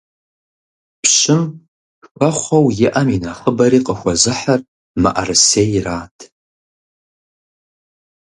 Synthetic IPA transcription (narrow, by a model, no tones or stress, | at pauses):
pɕɪm | ɸʷɐχʷɐwjɪʔɐminɐχəbɐɾiːqʼəxʷɔzɨħar | ma̰ʔɐ̰rɨseːjraːtʰ